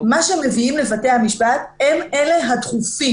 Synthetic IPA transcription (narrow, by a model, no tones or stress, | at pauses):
maʃeemːe̞viimle̞vate̞hamiʃbat̪eme̞le̞ɦat̪χufi